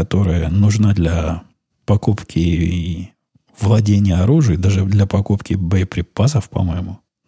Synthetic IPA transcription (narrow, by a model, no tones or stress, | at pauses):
ɐt̪o̞ɾɨjənʊʐnad̪lʲɐ | pɐkupkʲɪ | vlˠɐdʲenʲɪjəɐɾuʐɨjd̪aʐɨd̪lʲɐpɐkupkʲɪbəəpɾʲɪpas̬əfpɐ̰mojɪmʊ